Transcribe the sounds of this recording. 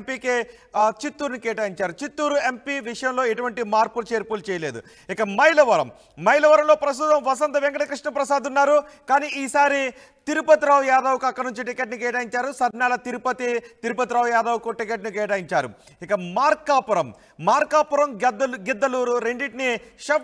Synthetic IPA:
mpiːke | t͡ʃit̪ːuːɾnikɛːʈaːjiɲt͡ʃaːɾut͡ʃit̪ːuːɾuempiʋiʂɐjɐmlo̞ːiʈuʋɐɳʈimaːɾpult͡ʃeːɾpuːlt͡ʃɛːjɐle̞ːd̪ṵ | ikɐmɐjlɐʋɐɾɐ̰mː | ɐjlɐʋɐɾɐmlo̞ːpɾɐs̬t̪ut̪ɐmʋɐsɐnt̪ɐʋɛŋkɐɽɐkɾiʂɳɐmpɾɐsaːd̪unːaːɾukaːniːʔiːsaːɾi | t̪iɾupɐt̪iɾaːʋjaːd̪ɐwukɐkːɐnuɲt͡ʃiʈikeʈnikɛːʈ̬aːjiɲt͡ʃaːɾusɐɾnaːlɐt̪iɾupɐt̪it̪iɾupɐt̪iɾaːʋjaːd̪ɐːwkuʈikeʈnikɛːʈaːjiɲt͡ʃaːɾṵ | ikɐmaːɾkaːpɐɾɐmː | aːɾkaːpɐɾɐmɡid̪ːɐluːɾuɾeɳɖiʈniʃɐ

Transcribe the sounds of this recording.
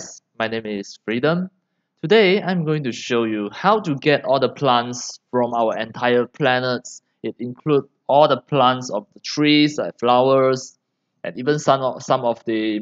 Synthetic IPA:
smajnẽmɪsfɹidə̃m | tʰudeãj̃mɡoɪ̃ŋtuʃojuhawtuɡɛtɔldəpʰlãntsfɹɔ̃mawəɛ̃ntʰaɪəpʰlɛnəts | ɪtĩnkʰlud | ɔldəpʰlãntsɔfdətʰɹislajkflawəs | ʔɛ̰̃nivə̃nssãmɔfdə

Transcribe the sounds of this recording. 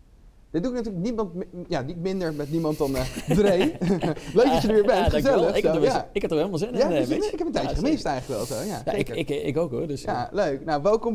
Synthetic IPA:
d̥ɪd̚duɪknatyːɹləknimɑntjanitmɪndəɹmɛtnimɑnt̚dɑndrejløɥk̚dɑjədəʋɪːɹbɛnχzɛləɪaɪkɛptoelmɑlˠzɪnjaeɪkɛpəntɛjt͡ʃəəχəmɪstɛjχləkʋɛlˠzojajaekəɪkɪkowkɦʊɹdəsjaløɥknawʋɛlˠkɔm

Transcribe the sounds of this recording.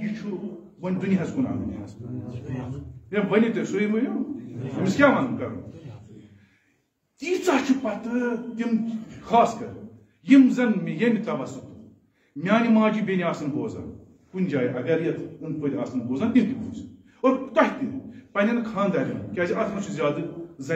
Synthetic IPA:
it͡ʃʰu | wɐnʲd̪unʲiɦɐskuna̰ːɡɐ̰nḭhɐs | jɐmʋɐnʲit̪ɐsoimujʲumiskʲaːmɐnnkɐɾɐ̰n | t̪iːt͡saːt͡ʃʰupɐt̪ɨt̪imxaːskɐɾ | jimzɐnmijɐmit̪ɐʋɐsut̪u | mʲaːnʲimaːd͡ʒibʲeniaːsɐnboːza̰ː | kunʲd͡ʒaːjiʔɐɡɐɾjɐt̪ʰunpʰoːd̪ʲiaːsɐnboːzaːnt̪imt̪ibuːs | oɾt̪ɐhʲit̪ipɐnʲɐnkʰãːnd̪ɐɾʲɐ̰nkʲɐːziʔɐt̪ʰnɐsʰuzʲaːd̪ɨzɐ

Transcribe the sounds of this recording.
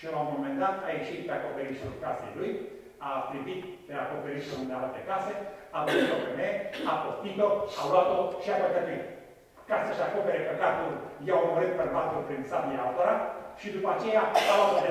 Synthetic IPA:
ʃielaumomend̪at̪ajeʃit̪̚peakopeɾisulkasḛjluj | afɾibit̪peakopeɾisuund̪ealt̪ekaseavozit̪opemeakost̪it̪oaulat̪oʃiapəkət̪e | kasəʃiakopeɾepəɡat̪uljawmoɾɨt̪̚perbat̪ulpɾinsabiaalt̪oɾaʃid̪upat͡ʃejaalat̪oae

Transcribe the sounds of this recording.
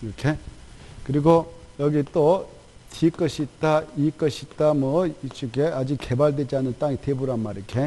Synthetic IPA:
ʌkʰekɯɾiɡojʌɡit͈o | tʰik͈ʌɕʰit͈aik͈ʌɕʰit͈amʌit͡ɕ͈ukead͡ʑikːebaɭdwed͡ʑanɯnt͈aŋitʰebuɾamaɾɯkʰe

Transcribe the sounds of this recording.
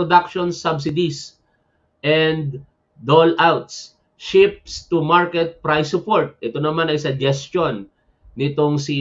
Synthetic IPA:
od̪akʃonsabs̬ɪd̪is | ʔɛnd̪ | d̪olʔawt̪s | ʃɪp̚st̪umaɹkɛt̪̚pɹajsʊpoɹt̪̚ʔɛt̪onɐmanɐjsɐd͡ʒɛstonː | ɪt̪oŋsi

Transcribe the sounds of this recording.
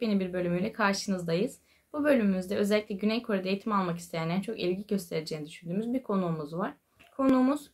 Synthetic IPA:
benibiɾbø̞lʲymyjlʲɛkʰaɾʃɯnɯzd̪ajɯz̥ | bubø̞lʲymymyzd̪ɛø̞zɛlʲːicʲlʲɛɟynɛjkʰo̞ɾad̪aejit̪ʰimalˠmakist̪ejænd̪ænt͡ʃʰo̞kilʲɟiɟø̞st̪ʰe̞ɾed͡ʒe̞ːnid̪yʃynd̪yːmyzbiɾkʰo̞nuːmuzvaɾ̥ | kʰo̞nuːmuz̥

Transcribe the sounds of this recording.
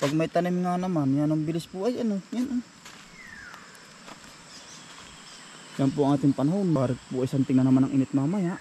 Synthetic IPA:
paɡmait̪anɛmiŋanamanjanambilispuad͡ʒanɔɲana | jampuaŋat̪impanɦaunmaɾɛpuaisant̪iŋnanamanaŋʔinɛt̪̚mamaja

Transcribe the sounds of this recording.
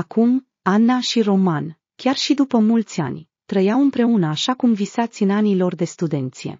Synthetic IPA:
akum | anːaʃiro̞man | kʲarʃid̪upəmult̪sʲa̰nʲ | t̪ɾəjawɨmpɾe̞unəaʃakumvisat̪sʲɨnanilo̞rd̪e̞st̪ud̪e̞nt̪sije̞̰

